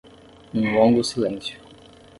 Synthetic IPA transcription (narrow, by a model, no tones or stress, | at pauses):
ũlõŋɡʊsilẽsjʊ̥